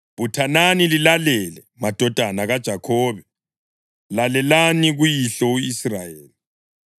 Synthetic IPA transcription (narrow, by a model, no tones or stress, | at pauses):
butʰananililalɛlɛ | mad̥ʱɔd̥ʱanaɣad̥ʒ̥ʱakʰɔːβɛ | lalɛlaniɣujiɬɔuisrajeːli